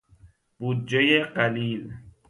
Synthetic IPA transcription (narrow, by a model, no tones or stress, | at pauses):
b̥uːd̪̚d͡ʒejeɢæliːl